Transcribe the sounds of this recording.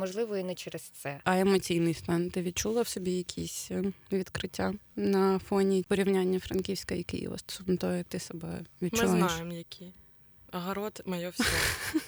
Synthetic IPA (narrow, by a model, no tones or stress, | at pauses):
mɔʒlˠɪʋɔinɛt͡ʃɛɾɛst̪sɛɐɛmɔt͡sʲijnɪjst̪ɑnt̪ɪʋʲid̪̚t͡ʃulˠɐwsɔbʲijɐkʲʰisʲʋʲid̪kɾɪtʲːanɐfɔnʲipɔɾʲiwnʲanʲːɐfɾɐnkʲiwsʲkɐjɐkɪ̰jḭʋɔ̰st̪ɔ̥sɔmɔt̪ɔɦɛjɐk̚t̪ɪsɔbɛ̰ʋʲid̪̚mt͡ʃɪʊzlˠaneaʃjemjɐkʲʰi | ɐɦɐɾɔt̪mɐjɔws